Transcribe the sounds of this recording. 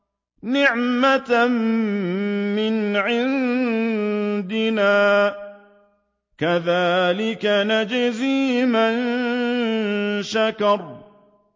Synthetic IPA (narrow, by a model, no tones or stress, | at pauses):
nɪʕmat̪m | mɪnʕɪn | d̪ɪnaː | kaðaːlɪkanad͡ʒziːman | ʃakɑɾˤ